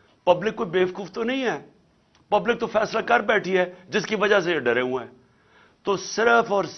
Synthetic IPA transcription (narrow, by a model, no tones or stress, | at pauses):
pɐblɪkːoːibeːʋəkuːft̪onɐɦĩɦɛː | pɐblɪk̚t̪ofʰɛːslakɐɾbɛːʈʰiɦɛːd͡ʒɪskiʋɐd͡ʒas̬eeɖɐɾeːũɛ̃ː | t̪oːsɪɾəfɔːɾ